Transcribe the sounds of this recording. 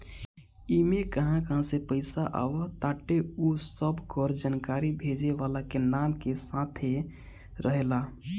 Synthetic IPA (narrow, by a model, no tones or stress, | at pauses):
imekəɦãkəɦãsepəɪsaʔa̰ʋət̪aʈeusəbʱkɔɾd͡ʒankaɾibʱed͡ʒeʋalakenamkesat̪ʰe | ɾəɦela